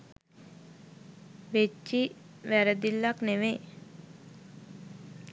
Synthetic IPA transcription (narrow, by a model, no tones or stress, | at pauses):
ʋet͡ʃt͡ʃːi | ʋæɾəd̪ilːakneʋe